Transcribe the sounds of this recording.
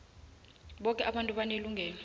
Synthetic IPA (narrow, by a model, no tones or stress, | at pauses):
ɓɔkʼɛʔaɓantʼuɓaneluŋɡʱɛːn